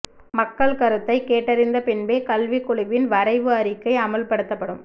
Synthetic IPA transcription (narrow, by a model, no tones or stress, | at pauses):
mɐkːɐɭkɐɾɯt̪ːɐɪkeːʈːɐɾɪnd̪ɐpɪnbeːkɐlʋikːʊɭɪʋɪnʋɐɾɐɪʋɯɐɾɪkːɐɪɐmɐlpɐɽɯt̪ːɐpːɐɽɯm